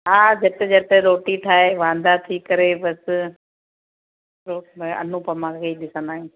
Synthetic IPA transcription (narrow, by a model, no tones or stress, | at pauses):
ɦaːd͡ʑɐt̪ed͡ʑɐt̪eɾoːʈiʈʰaːɦeʋãːn̆d̪at̪ʰikɐɾebɐs | ɾoːmɐ̰n̤ũpɐmãːkʰeiɗɪsə̃nd̪aːɦĩː